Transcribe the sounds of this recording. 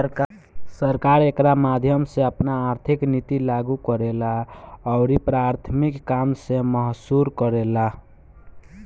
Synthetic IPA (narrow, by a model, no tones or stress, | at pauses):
səɾkaɾekɾamad̪ʱjəmseəpnaːɾt̪ʰiknit̪ilaɡukəɾelaɔʊɾipɾaɾt̪ʰmikːamseməɦsuɾkəɾela